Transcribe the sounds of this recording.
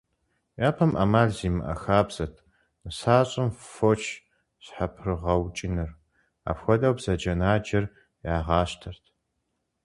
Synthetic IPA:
jaːpʰɐmʔɐmaːɮziːmɨʔɐ̰xaːbz̥ɐtʰ | nɨsaːɕʼɪmfot͡ʃʰ | ɕħapʰrɨʁɐwt͡ʃʼɪnɨr | a̰ːpxʷɔdʼɐwbz̥ɐd͡ʒɐnaːd͡ʒɐr | jaːʁɑːɕtʰɐrtʰ

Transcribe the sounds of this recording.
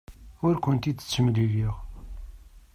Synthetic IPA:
ʊɾkʷʊnt̪it̪ːə̥t͡sːəmliɣiʁ

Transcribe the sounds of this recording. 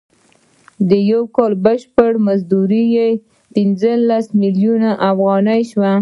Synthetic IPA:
d̪əjawkɑlbəʃpəɽmazd̪uɾije | pinzəlasmiljunaʔafɣɑnəjʃwa

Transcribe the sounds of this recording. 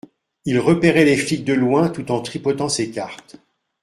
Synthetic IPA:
ilʁəpeʁɛleflik̪̚d̪əlwɛ̃t̪ut̪ɑ̃t̪χipɔt̪ɑ̃sekaʁt̪

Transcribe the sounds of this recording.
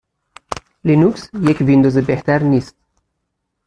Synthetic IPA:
linuksjekʰvind̪ozebeht̪ʰæɾniːst̪̚

